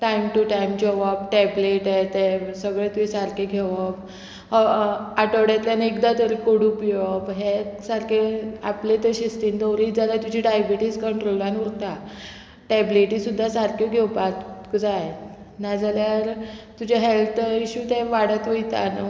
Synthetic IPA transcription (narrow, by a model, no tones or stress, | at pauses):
ʈajmʈuʈajmd͡ʑəʋabʈɛbleʈajt̪esəɡɭẽt̪uisaɾkʰeɡʱeʋap | aʈəɽat̪ljanekd̪at̪əɾikoɽupjəpɦesaɾkʰeaplet̪əɕist̪iːnd̪əwɾiːt̪d͡zaljat̪ud͡ʑʱiɖajbiʈiːskəɳʈɾolʋanuɾt̪a | ʈɛbliʈiːsud̪ʱːasaɾkʰeɡʱewpakkd͡zaj | nad͡zaljaɾt̪ud͡ʑaɦelt̪iɕut̪ẽʋaɽət̪ʋəjt̪a̰na